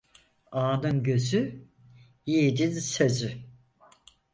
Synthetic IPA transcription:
aːnɯnɟø̞zy | jid̪izsezy

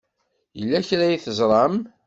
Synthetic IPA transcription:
jəlːæçɾæjiθəzˤɾˤɑm

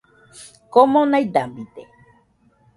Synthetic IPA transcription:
komõnaid̪ambit̪e

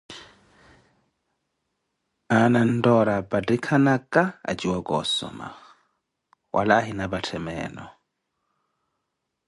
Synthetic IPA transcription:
anan̩dɔɾabadikʰanakʼaa̰d͡ʒiwaɡʼɔsɔ̰ma̰ | wʔa̰laːɦinabatʰɛmɛ̰ːnɔ̰

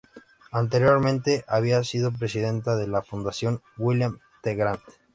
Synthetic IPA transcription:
ant̪̬e̞ɾjo̞ɾmẽnt̪e̞ʔaβ̞iasiðo̞p̬ɾe̞siðe̞nt̪aðe̞lafund̪asjo̞ŋ | wiljam | t̪eɣɾant̪

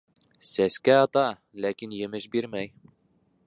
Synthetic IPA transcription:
sæskæɑt̪ɑ | lækinjɘ̆mɘʃbiɾmæj

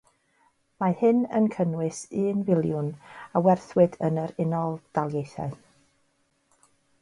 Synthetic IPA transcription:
mahɨnə̰nkʰənwɨsɨːnvɪlˠjʊnawɛrθwɨdənəɾɪnɔlˠd̥alˠjejθa̰ɨ

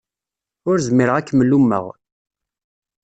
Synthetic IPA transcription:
ʊɾzəmiɾəʁækːməlːumːə̰ʁ

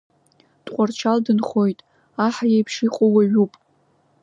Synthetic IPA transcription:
tʼqʷʼart͡ʃʰaldɨnχo̞jtʼ | aħajejpʰʂiqʼowaɥupʼ

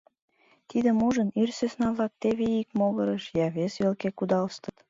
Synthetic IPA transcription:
t̪id̪emuʒənyrsesnɑβlɑk̚t̪eβeikmoɣəɾəʃjɑβesβelkekud̪ɑlst̪ə̥t̪

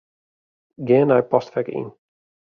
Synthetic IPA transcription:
ɡeːənajpɔstfɛkḭn

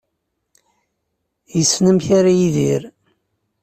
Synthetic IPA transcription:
jəsːnəmçaɾajiðiɾ

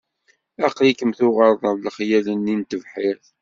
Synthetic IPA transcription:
ɑqlikəmθʊʁəɾˤðˤəvləχjælənːint̪əvħɪɾθ

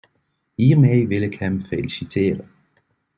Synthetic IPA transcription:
imeɪʋe̝ləkʰæmfelisit͡sʰḛːɾ

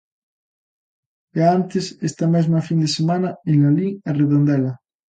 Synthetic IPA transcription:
aant̪esest̪amezmafind̪esemãnaenlaliŋareðõnd̪ela

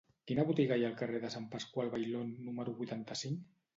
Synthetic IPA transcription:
kinəβut̪iɣajaːlˠkareðəsampaskwalˠβajlonːuməɾuβujt̪ant̪asiŋk

